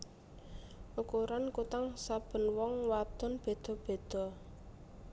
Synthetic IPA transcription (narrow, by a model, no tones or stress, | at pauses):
ʔukuɾankut̪aŋsab̥ə̤nwɔŋwad̪̥ɔ̤nb̥e̤d̪̥ɔ̤b̥e̤d̪̥ɔ̤